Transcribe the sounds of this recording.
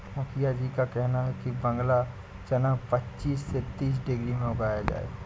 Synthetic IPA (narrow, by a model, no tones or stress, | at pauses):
mʊkʰijad͡ʒikakɛɦnaɦɛkibɐ̃ŋɡla | t͡ʃɐnapɐtːt͡ʃiːsːet̪iːs̬ɖɪɡɾimẽʊɡaːjad͡ʒa̰ːḛː